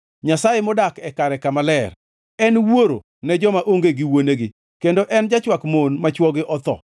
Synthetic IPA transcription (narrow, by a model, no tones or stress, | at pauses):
ɲasajemɔdakɛkaɾɛkamalɛr | ɛnwoɾo | nɛd͡ʒɔmaʔoŋɡeɡɪwoneɡɪ | kendoʔɛnd͡ʒat͡ʃwakmonmat͡ʃwɔɡɪʔɔt̪ɔ̰